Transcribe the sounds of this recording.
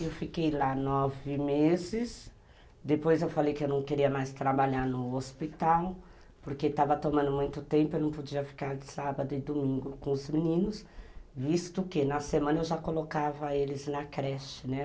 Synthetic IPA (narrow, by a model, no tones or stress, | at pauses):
ewfikejlanɔvɪmezɪs | d̪epojzewfalejkɪewnɐ̃w̃keɾiɐmajst̪ɾabaʎaɾnʊospit̪aw | poɾket̪avɐt̪omɐ̃nd̪ʊmũj̃t̪ʊt̪ẽmpʊewnɐ̃w̃pod͡ʒiɐfi̥kaɾd͡ʒɪsabɐd̪ʊɪd̪omĩŋɡʊkõʊzminĩnʊsvist̪ʊkɪnɐsemɐ̃nɐewʒakolokavɐelɪznɐkɾɛʃɪnɛ